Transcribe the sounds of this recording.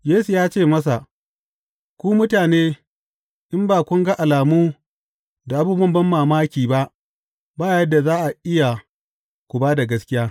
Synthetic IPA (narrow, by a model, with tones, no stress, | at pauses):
jeː˦su˨jaː˦t͡ʃeː˦˨mɐ˦s̬a˨ | kʷuː˦mʊ˦taː˨neː˦ | ʔɪ˦mbaː˨kʷʊ˦ŋɡa˦ʔa˨laː˨muː˦ | da˨ʔa˦buː˦bɐ˦mbɐ˦mːaː˨maː˦kʲiː˨ba˦ʔ | baː˦jɐ˦dːa˨zaː˦ʔa˨ʔɪ˦ja˨ | kʷu˨baː˦da˨ɡɐ˦skʲɪ˦jaː˦